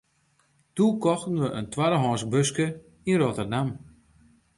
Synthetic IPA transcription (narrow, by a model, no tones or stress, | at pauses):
tukɔxtən̩ʋəʔəntʰwaɾəɦɔːsbøskə | inrotərdam